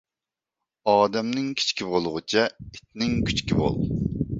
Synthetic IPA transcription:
ɑːd̪ɛmnɪŋkʲʰi̥t͡ʃkʲibolˠʁʊt͡ʃʰɛit̪nɪŋkʲʰy̥t͡ʃkʲibo̰lˠ

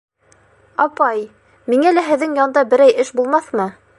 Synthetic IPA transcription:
ɑpɑj | miŋælæɦɘ̆ðːɘŋjɑnd̪ɑbɘ̆ɾæjɘʃbulˠmɑθmɤ

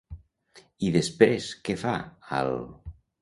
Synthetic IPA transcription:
iðespɾeskefaa̰l

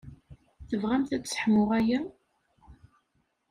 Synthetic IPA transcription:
θəvʁæmθæt͡sːsə̥ħmʊʁæjæ

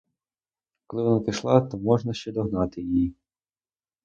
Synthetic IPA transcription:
kɔlˠɪʋɔnapɪʃlˠɑt̪ɔmɔʒnɐʃt͡ʃɛd̪ɔɦnɑt̪ɪjiji

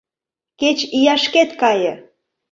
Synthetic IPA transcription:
ket͡ɕijɑʃket̪kɑjə̆

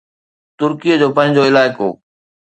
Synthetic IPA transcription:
t̪ʊɾkijəd͡ʑoːpɐ̃ɦɪ̃ɲd͡ʑoɪlaːɪko̰ː

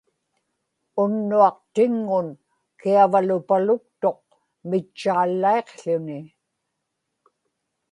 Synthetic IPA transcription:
ʊnːuɑq̚t̪ɪŋːʊn | kiavalʊpalʊk̚t̪o̞q̚ | mɪt͡ʃːaːlːae̞qɬʊnɪ

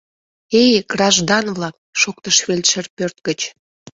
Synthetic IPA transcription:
ejɡ̥rɑʒd̪ɑnβlɑk̚ʃok̚t̪əʃβelʲʃərpørt̪̚ɡət͡ɕ

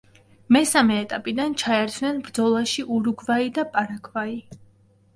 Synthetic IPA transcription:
mɛsamɛːt̪ʼapʼid̪ant͡ʃʰaɛɾt͡ʃ̪ʰvnɛnbɾd̪zɔlˠaʃiʔuɾuɡvaid̪apʼaɾakʰvai

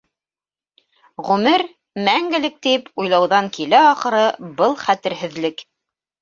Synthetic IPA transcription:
ʁʉmɘɾ | mæŋɡɘ̆lɘk̚t̪ipujlˠɑwðɑŋkilæɑχɤ̆ɾɤbɤlˠχæt̪ɘ̆ɾɦɘ̆ðlɘk

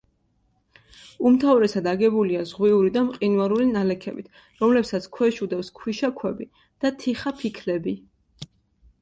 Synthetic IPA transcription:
umt̪ʰavɾɛsad̪aɡɛbuliazʁwiuɾid̪amqʼinvaɾulinalɛkʰɛbḭt̪ʰ | ɾɔmlɛpsat̪sʰkʰwɛʃud̪ɛfskʰwiʃakʰwɛbi | d̪̥at̪ʰiχapʰikʰlɛbi

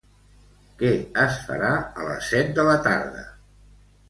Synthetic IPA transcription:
kɛəsfə̰ɾaələ̰sːɛt̪̚d̪ələt̪aɾðə̰

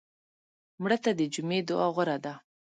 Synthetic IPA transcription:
mɽət̪ad̪əd͡ʒumed̪ʊɑɣʊɾad̪a

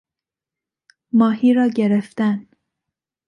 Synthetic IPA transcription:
mɒːhiːɾɒːɟeɾeft̪æn

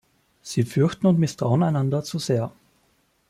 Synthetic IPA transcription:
z̥iːfʏɐçtn̩ʊntmɪstʁ̥aʊənaɪnandɐt͡suzeːɐ

